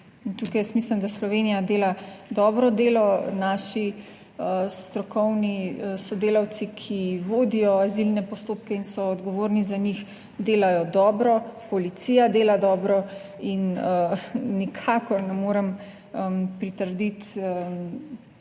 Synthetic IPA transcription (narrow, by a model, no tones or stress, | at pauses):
nt̪ukajəsmislɛmd̪aslɔʋeːnijad̪eːlad̪ɔːbɾɔd̪eːlɔnaʃi | əst̪ɾɔkʰɔwniəsɔd̪eːlawt̪sikʰiʋoːd̪ijɔazilnɛpɔst̪oːp̚kɛinsɔːd̪ɡɔʋoːɾnizanix | d̪eːlajɔd̪ɔːbɾɔpɔlit̪sijad̪eːlad̪ɔːbɾɔ | inəːikʰakɔɾnɛmoːɾɛm | əpɾit̪əɾd̪it̪ə